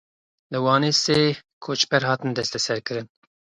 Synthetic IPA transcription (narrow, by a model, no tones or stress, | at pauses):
lɨwɑːneːseːkʰoːt͡ʃpɛɾhɑːt̪ɨnd̪ɛst̪ɛsɛɾkɨɾɨn